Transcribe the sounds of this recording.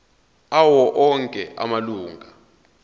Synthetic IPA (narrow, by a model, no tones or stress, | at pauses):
awɔʔɔŋkʼɛʔa̰maluːŋɡʱa